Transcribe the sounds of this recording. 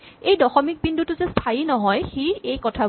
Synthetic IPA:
ejdɔxɔmik̚bindʱutʊzɛstʰainɔɦɔjxiejkɔtʰa

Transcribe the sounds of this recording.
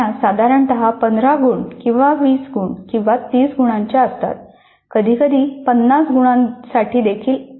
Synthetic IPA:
asad̪ʱaɾəɳʈ̪əɦapənd̪ɾaɡuːɳkĩw̃ʋaʋiːsɡʱuːɳkĩw̃ʋat̪iːsɡʱuɽ̃ãɲt͡ɕjaəst̪a̰t̪̚ | kəd̪ʱiːkəd̪ʱiːpənːasɡʱuɽ̃ãsaʈʰiːd̪ekʰiːl

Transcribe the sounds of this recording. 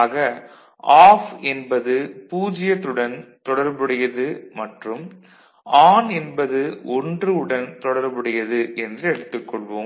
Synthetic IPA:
ɣɐ | aːfɛnbɐðɯpuːd͡ʒɪjɐt̪ːɯɽɐnt̪ɔɽɐɾbɪɽɐjɐðɯmɐʈrɯm | ʔaːnɛnbɐðɯʔɔndrɯɯɽɐnt̪ɔɽɐɾbɐɽɐjɐðɯʔɛndrɯɛɽɯt̪ːɯkːɔɭʋoː

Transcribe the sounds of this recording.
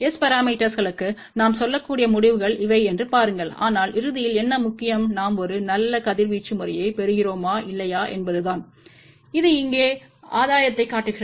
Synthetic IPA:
ɛspɐɾaːmiːʈːɐsɣɐɭɯkːɯ | naːmsɔlːɐkːuːɽɪjɐmʊɽɪʋɯɣɐɭɪʋɐɪɛndrɯpaːɾɯŋɡɐɭa̰ːnaːlʔɪɾɯðɪjɪlɛnːɐmʊkːɪjɐmnaːmɔɾɯnɐlːɐkɐðɪɾʋiːt͡ʃːɯmʊɾɐjɐɪpɛɾɯɣɪroːmaːʔɪlːɐjaːʔɛ̰nbɐðɯðaːn | ɪðɯɪŋɡeːaːðaːjɐt̪ːɐɪkːaːʈːɯɣɪrɐ

